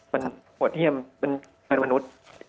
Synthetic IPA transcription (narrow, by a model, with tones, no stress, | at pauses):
ma˧npʰu˨˩ət̪̚ʰːi˥˩əmpe˧n | ka˧nwa˧nu˦˥t̪̚